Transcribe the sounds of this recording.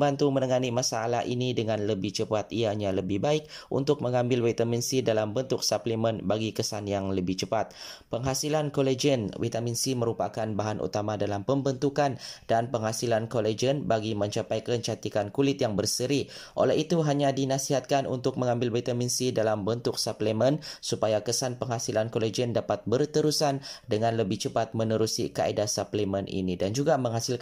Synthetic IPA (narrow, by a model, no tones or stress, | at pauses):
bant̪umənəŋanimasaːla̰ɦʔinidəŋãnləbɪht͡ʃəpat̪ijaɲaləbɪhbaɪk̚ʔṵnt̪ʊk̚məŋãmbɪlwit̪aminsidalambənt̪ʊk̚saplimənbaɡikəsanjaŋləbɪht͡ʃəpat̪̚pəŋɦasilankoled͡ʒənwḭt̪aminsiməɾupa̰kanbaɦanʔṵt̪amadalampəmbənt̪ukandanpəŋɦasilankoled͡ʒənbaɡimə̃ɲt͡ʃapajkəɲt͡ʃat̪ikankulɪt̪jaŋbərsəɾiʔo̰lɛhit̪uɦaɲadinasiɦat̪̚kanʔṵnt̪ʊk̚məŋambɪlwit̪aminsidalambənt̪ʊk̚saplemənsupajakəsanpəŋɦasilankoled͡ʒəndapat̪̚bərt̪əɾusandəŋãnləbɪht͡ʃəpat̪̚mənəɾusḭka̰ḛdasaplemənʔḭnidand͡ʒuɡaməŋɦasilk